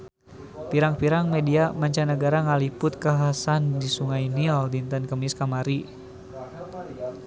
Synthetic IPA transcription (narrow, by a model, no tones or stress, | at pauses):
piɾaŋpiɾaŋmediamaɲt͡ʃanəɡaɾaŋalipʊt̪̚kaɦasandisuŋajniɔldint̪ənkəmiskamaɾi